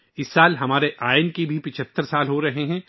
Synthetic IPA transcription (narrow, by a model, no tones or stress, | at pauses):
ɪsːaːlɦɐmaːɾeʔaːɪnkibʱipɪt͡ʃʰət̪ːəɾsaːlɦoɾɐɦeɦɛ̃ː